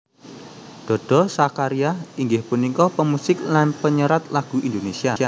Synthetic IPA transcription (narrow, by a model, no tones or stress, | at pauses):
d̪̥ɔ̤d̥ɔ̤sakaɾiahiŋɡɪhpunikɔpəmusɪk̚lanpəɲəɾat̪̚laɡ̥ṳʔind̪onesiaa